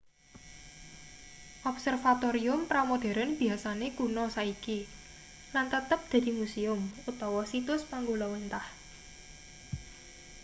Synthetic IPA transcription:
ʔɔpsɛrfat̪oɾiʊmpɾamod̪̥e̤ɾanb̥i̤asanekunɔsaiki | lant̪ət̪əp̚d̪̥ä̤d̪̥imuseʊmut̪ɔwɔsit̪ʊspaŋɡolɔwent̪ah

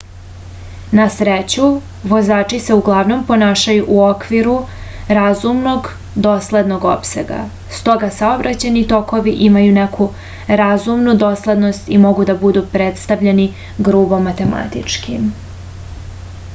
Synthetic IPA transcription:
nasɾet͡ɕu | ʋo̞zaːt͡ʂise̞uɡlˠaʋno̞mpo̞naːʃajuʔuo̞kʋiɾuɾazumno̞ɡ | d̪o̞sle̞d̪no̞ɡo̞̰pse̞̰ɡa̰ | st̪o̞ɡasaobɾʔat͡ɕanit̪o̞ko̞ʋiʔimajune̞kʰu | ɾazumnud̪o̞slˠe̞d̪no̞st̪imo̞ɡud̪abud̪upɾet̪st̪aʋʎe̞ni | ɡɾuːbo̞mːat̪e̞ma̰t̪ḭt͡ʂkʰim

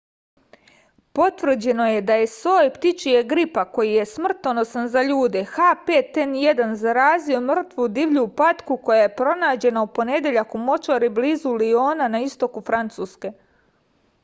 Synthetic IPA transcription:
po̞t̪ʋr̩d͡ʑe̞no̞je̞d̪aje̞soːjpt̪it͡ʃieɡɾipako̞jije̞smr̩t̪ono̞sanzaʎuːd̪e̞xapeːt̪enjed̪anzaɾaːzio̞mr̩t̪ʋud̪iʋʎupat̪kuko̞jaje̞pɾo̞naːd͡ʑe̞naupo̞ne̞d̪je̞ʎakumo̞t͡ʃaɾibliːzulio̞ːnanaist̪o̞kufɾant̪suːske̞

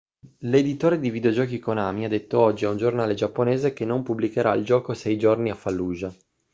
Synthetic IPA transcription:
led̪it̪oːɾed̪ivid̪eod͡ʒɔːkikonaːmiad̪ːet̪ːoɔd͡ʒːiɛund͡ʒornaːled͡ʒapːoneːzek̟enompublikeɾaild͡ʒɔːkosɛjd͡ʒorniafːalːuːd͡ʒa

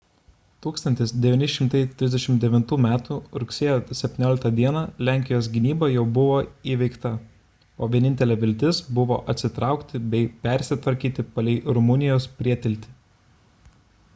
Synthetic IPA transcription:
t̪uːkst̪ɐnʲt̪ʲɪsd̪ʲɛʋʲɪnʲɪʃʲɪmt̪ɐɪt̪ʲɾʲɪzd̪ʲɛʃʲɪmd̪ʲɛʋʲɪnt̪uːmʲæːt̪uːɾʊksʲeːjoːsʲɛpʲt̪ʲɪnʲoːlʲɪkt̪ɐd̪ʲiɛnɐlʲæˑŋʲkʲɪjoːs̬ɡʲɪnʲiːbɐjɛʊbʊʋoːiːʋʲɛɪkt̪ɐ | oːʋʲiɛnʲɪnʲt̪ʲɛlʲɛːʋʲɪlʲt̪ʲɪsbʊʋo̰ːʔɐt̪ʲsʲɪt̪ɾɑˑʊkt̪ʲɪbʲɛɪpʲɛɾʲsʲɪt̪ʋɐɾʲkʲiːt̪ʲɪpɐlʲɛɪɾʊmʊnʲɪjoːspʲɾʲiɛt̪ʲɪlʲt̪ʲɪ̥

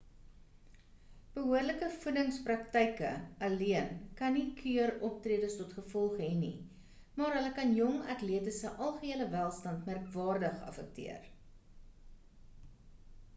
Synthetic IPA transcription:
b̥əɦuərləkəfudəŋsprɐktɛjkə̰ɐliənkɐnikʰyəɾɔp̚triədəstɔtχəfɔlˠχɦɛnḭ | mɑːɾɦələkɐnjɔŋɐtliətəsəʔɐlˠχəiələvælˠstɐntmærkvɑːrdəχɐ̰fək̚tḭər

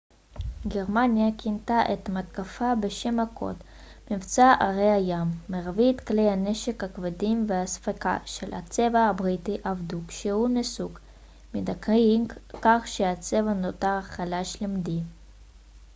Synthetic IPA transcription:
ɡeʁmanjakint̪aʔet̪mat̪kafabeʃemhakʰo̞̰t̪ | mivt͡saʔaʁejhajamːeʁvit̪klejhaneʃekhakvadimvehasfaka̰ʃela̰t͡se̞vaabʁit̪iʔavd̪ukʃehunesuk | mid̪akʁimkaχʃeat͡se̞vanot̪aʁaχalaʃlimd̪i

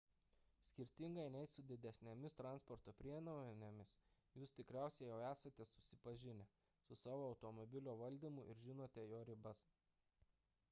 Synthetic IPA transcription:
sʲkʲɪɾʲt̪ʲɪŋɡɐɪnʲɛɪsʊd̪ʲɪd̪ʲɛsʲnʲɛmʲɪst̪ɾɑˑnspɔɾt̪oːpʲɾʲiɛnɐnʲemʲɪsjuːst̪ʲɪkɾʲæˑʊsʲɛjɛʊæːsɐt̪ʲɛsʊsʲɪpɐʒʲɪnʲɛ | sʊsɑːʋoːɒʊt̪omɔbʲɪlʲoːʋɐlʲd̪ʲiːˑmʊʔɪɾʒʲɪnoːt̪ʲɛjoːɾʲɪbɐs

